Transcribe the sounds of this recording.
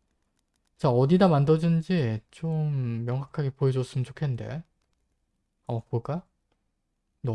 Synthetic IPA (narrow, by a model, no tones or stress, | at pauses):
t͡ɕaʌdidamandʌd͡ʑɯnd͡ʑit͡ɕomːjʌŋɦakʰaɡe̞poed͡ʑos͈ɯmɯnt͡ɕʰokʰe̞nnde̞̰ | amak̚poɭk͈a | nʌ